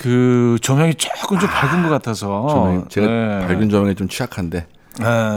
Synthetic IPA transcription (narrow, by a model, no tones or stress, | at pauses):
kɯt͡ɕʌmjʌŋit͡ɕ͈ok͈ɯmt͡ɕompaɭɡunɡʌk͈atʰʌsʰʌʌmt͡ɕe̞ɡapaɭɡjund͡ʑʌmjʌŋit͡ɕomt͡ɕʰid͡ʑakʰande̞ | e